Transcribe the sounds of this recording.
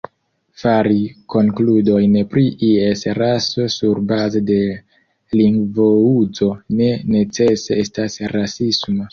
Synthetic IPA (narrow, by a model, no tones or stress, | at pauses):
faɾiko̞ŋkludo̞jnpɾiʔiesɾaso̞suɾbazede̞ | liŋɡvoud͡zo̞ne̞ne̞t͡se̞seestasɾasisma